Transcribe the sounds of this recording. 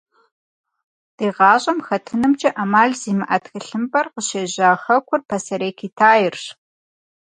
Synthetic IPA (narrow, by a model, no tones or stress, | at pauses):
d̥eːʁɑːʑʼɐmxɐtʰɨnɨmd͡ʒʼɐʔɐmaːɮziːmɨʔɐtxɨɬɨmbʼɐrqəɕeːʑaːxɐkʷʰʊrpʰɐsɐɾeːkʰiːtʰaːjɪrɕ